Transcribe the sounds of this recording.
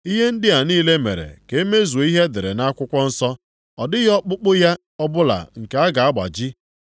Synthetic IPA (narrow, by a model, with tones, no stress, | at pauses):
i˦ɦe˦n̩˦dɪ˦a˨niː˦le˦mḛ˨ɾḛ˨ke˨e˦me˦zu˨o˨˦i˦ɦe˦dɪ˨ɾḛ˨na˦a˦kʷʊ˦kʷɔ˦n̩˦sɔ˦ | ɔ˨dɪ˦ɣɔ˦k͡pʊ˦k͡pʊ˦ja˦ | ɔ˦bʊ˦la̰˨ŋ̩˨ke˨a˦ɡa˨a˦ɡ͡ba̰˨d͡ʒi˦